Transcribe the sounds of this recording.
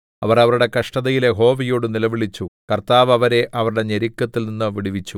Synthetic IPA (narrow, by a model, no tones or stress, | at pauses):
ɐʋɐrɐʋɐɾuɽe̞kɐʂʈɐðɐjileɦo̞ːʋijoːɽɨnilɐʋiɭit͡ɕːukɐrt̪aːʋɐʋɐɾe̞ʔɐʋɐɾuɽe̞ɲeɾikʲːɐt̪ːilninːɨʋiɽiʋit͡ɕːu